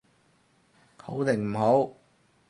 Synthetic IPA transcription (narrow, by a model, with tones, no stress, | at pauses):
kʰo˨˥wt̪ɪ˨˩ŋm̩˨˩ɦo˨˥w